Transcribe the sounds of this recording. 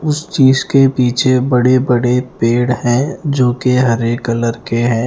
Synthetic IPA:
ʊst͡ʃiːzkepiːt͡ʃʰebɐɽebɐɽepeːɽhɛ̃ːd͡ʒoːkeɦɐɾeːkːələɾkeɦɛ̃ː

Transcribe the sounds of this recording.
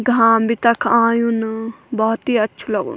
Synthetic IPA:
ɡʱaːmbʱit̪ɐkʰãːjunbɔːt̪iɐtːʃʰulɐɡṵn

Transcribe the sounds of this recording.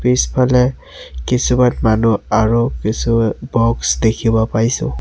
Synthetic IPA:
pispʰalɛ | kisumatmanuaɹukisubɔksdekʰibɔpaɹisʊ̰̃

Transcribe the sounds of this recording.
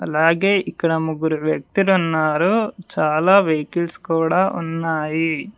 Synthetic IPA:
ɐlaːɡe̞ːʔikːɐɽɐmuɡuɾuʋjɐk̚t̪ilunːaːɾut͡ʃaːlaːʋejkilskuːɽaːʔṵnːaːji

